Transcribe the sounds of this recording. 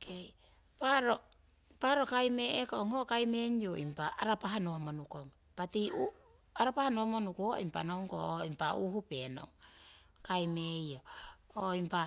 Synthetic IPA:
kej | paɾo | paɾo̞kajmeekooŋokajmeɲjoimpaaɾapaɦanoamonukoŋ | patiu | aɾapahanoamonukuo̰impa̰nowŋkooimpaʔuhupeno̰ŋkajmejooimpa

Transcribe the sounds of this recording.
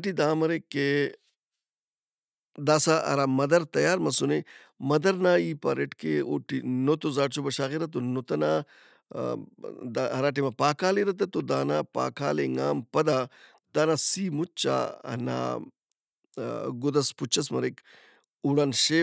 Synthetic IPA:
ʈid̪aːmɐɾekːe | d̪aːsaʔɐ̰ɾamɐd̪ɐɾt̪ɐjaːɾmɐsune | mɐd̪ɐɾnaːiːpɐɾeʈkeo̰ːʈinot̪ozaːʈt͡ʃobɐʃaːɣiɾɐt̪onot̪ɐnaː | d̪aɐɾaːʈ̬imɐpaːkʰaːleɾɐt̪̬ɐt̪od̪aːnaːpa̰ːkʰaːleŋa̰ːmpɐd̪aː | d̪aːnasiːmut͡ʃːa̰ɐ̰na̰ː | ɡod̪ɐsput͡ʃɐsmɐɾek | uɽɐnʃe

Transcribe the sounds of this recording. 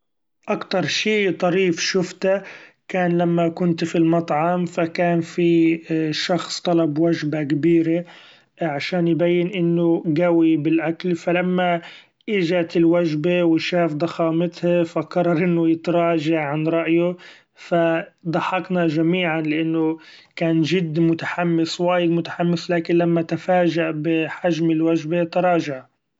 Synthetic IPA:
ʔakt̪ɑɾˤʃiːt̪ˤɑɾiːfʃʊft̪a | kaːnlamːakʊnt̪filmɑt̪ˤʕɑmfakaːnfiʃɑxsˤt̪ˤɑlɑbwaʒbakabiːɾe | ʕaʃaːnjbajːɪnʔɪnːʊɡawibɪlʔaklfalamːa | ʔɪʒat̪ɪlwaʒbewɪʃaːfd̪ˤɑxɑːmɪt̪hafaqɑɾˤɑɾˤʔɪnːʊjɪt̪ɾˤɑːʒaʕʕanɾˤɑʔjʊ | fad̪ˤɑħɑqnaʒamiːʕanlɪʔanːʊ | kaːnʒɪd̪ːmʊt̪aħamːɪswaːjɪd̪mʊt̪ḁħamːɪslaːkɪnlamːat̪afaːʒaʔbɪħaʒmɪlwaʒbet̪ɑɾˤɑːʒaʕ

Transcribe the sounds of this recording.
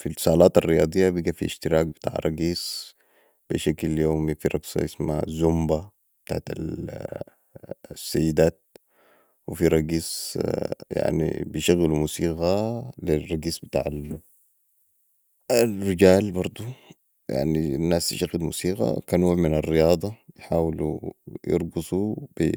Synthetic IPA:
filsˤɑːlaːt̪arːijɑ̰ːd̪ˤijːabiɡafḭʃt̪iɾɑːk̚bɪt̪a̰ːʕɾˤɑɡiːs | b̥iʃakljoːmifiɾˤɑɡsˤɑ̰jɪsma̰zumba | b̥t̪a̰ʕat̪a̰l | sːajːid̪aːt̪̚ | wifiɾˤɑɡiːs | ja̰ʕnḭbijʃaɣːilumusiːɣalirˤːɑɡiːsˤbit̪a̰ːʕal | alriɟaːlbɑɾˤd̪ˤu | ja̰ʕninːaːst̪iʃaɣːilmṵːsiːɣa̰kaːnwoːʕminarːijɑːd̪ˤɑjħaːwlṵjɪ̰ɾˤɡɑsˤub̥i

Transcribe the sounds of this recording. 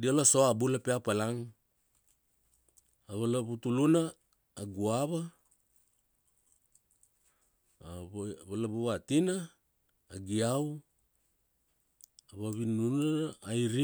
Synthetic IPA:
dialasoabulapeapalaŋ | aβalaβutulunaː | ɡuaβa | βalaβuβatinaː | ɡiaw | aβaβinunaːjɾi

